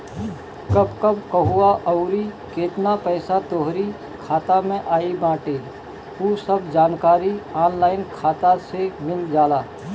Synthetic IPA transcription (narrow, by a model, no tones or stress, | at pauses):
kɐbkəbkəɦuaʔɔʊɾi | keːt̪napɛːsat̪oːɦɾi | kʰaːt̪amẽʔaːibãːʈe | ɦuːsəbd͡ʒaːnkaːɾiaːnlaːɪnkʰaːt̪asemɪld͡ʒaːlaː